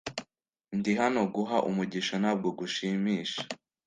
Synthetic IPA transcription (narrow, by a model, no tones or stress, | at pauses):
ndiɦano̞ɡuɦaʔumuɟiʃonab̚ɡoɡuʃiːmiːʃḁ